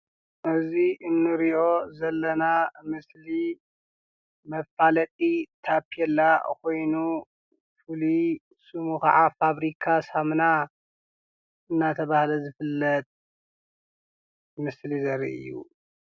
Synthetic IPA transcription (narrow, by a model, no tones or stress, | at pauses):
ʔɨziʔɨnːɨɾiʔo̞zɐlːɐnamɨsli | mɐfalɐt̪ʼit̪ʰapʰiɛlːakʰo̞jnu | fɨli | sumuxaʕafaβɾikʰasamna | ɨnːat̪ʰɐβahlɐzɨfɨlːɐt̪̚ʼ | mɨslizɐɾḭʔɨ̰jːṵ